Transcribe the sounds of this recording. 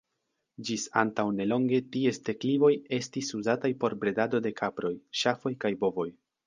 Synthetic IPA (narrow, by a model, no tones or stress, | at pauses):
d͡ʒisa̰ntawne̞lo̞ŋɡe̞tie̞ste̞klivo̞je̞stisuzatajpo̞ɾbɾe̞dado̞de̞kʰapɾo̞jʃafo̞jkajbo̞vo̞j